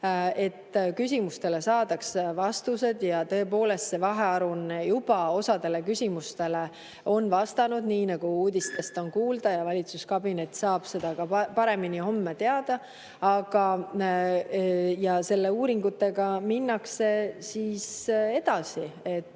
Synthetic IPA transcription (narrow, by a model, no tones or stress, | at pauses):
e̞t̪ːkys̬ʲimust̪e̞le̞sɑːd̪̥ɑksvɑst̪use̞d̪̥jɑt̪ɤ̞e̞po̞ːle̞st̪se̞vɑɦe̞ɑɾunjub̥ɑo̞sɑd̪e̞le̞kysʲimust̪e̞le̞ | o̞nvɑst̪ɑnud̪̥niːnɑɡ̥uuːd̪̥ist̪e̞st̪o̞nkuːld̪ɑjɑvɑlʲit̪suskɑbine̞t̪ːˑsɑːb̥se̞d̪̥ɑɡ̥ɑpɑɾe̞miniho̞mːet̪e̞ɑd̪̥ɑ | ɑɡ̥ɑ | jɑse̞lːe̞uːɾiŋɡut̪ːˑe̞ɡ̥ɑminːɑkse̞siːse̞d̪̥ɑsiet̪ːˑ